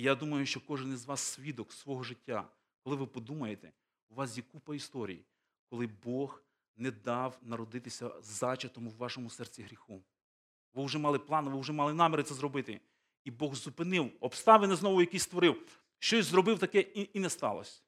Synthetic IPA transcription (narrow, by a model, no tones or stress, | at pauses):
jad̪umɐjʊʃt͡ʃɔkɔʒɪnizʋɑsːʲʋʲid̪ɔksʋɔɦɔʒɪtʲːa̰ | kɔlˠɪʋɪpɔd̪umɐjet̪ɛ | uʋɑsʲikupɐist̪ɔɾʲḭjḭ | kɔlˠɪbɔx | nɛd̪ɑwnɐɾɔd̪ɪt̪ɪsʲɐ̰zɑt͡ʃɐt̪ɔmʊwːɑʃɔmʊsɛrt͡sʲiɦɾʲixu | ʋɪwʒɛmɑlˠɪplˠɑnʋɪwʒɛmɑlˠɪnɑmʲɛɾɪt̪sɛzɾɔbɪt̪ɪ | ibɔɣzupɪnɪwɔpst̪ɑʋɪnɪznɔʋʊjɐkijst̪ʋɔɾɪw | ʃt͡ʃɔsʲzɾɔbɪwt̪ɐkɛiinɛst̪ɑ̰lˠɔ̰sʲɐ